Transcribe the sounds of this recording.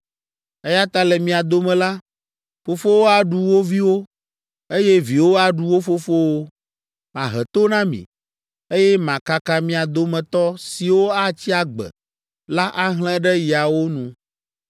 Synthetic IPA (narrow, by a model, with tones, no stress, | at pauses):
e˦ja˦t̪a˦lɛ˨mĩ˨a˨d̪o˦mɛ̃˨la˦ | fo˨fo˦wo˦a˨ɖu˨wo˦vi˦wo˦ | e˦je˦vi˨wo˦a˨ɖu˦wo˦fo˦fo˦wo˦ | mã̰˨ɦɛ̰˨t̪o˦nã˦mḭ̃˨ | e˦jɛ˦mã˨ka˦ka˦mĩ˦a˨d̪o˦mɛ̃˨t̪ɔ˦si˨wo˦a˦t͡ɕi˦a˨ɡ͡bɛ̰˨ | la˦ʔa˦ɦlɛ̃˦ɖɛ˦ji˨a˨wo˦nũ˨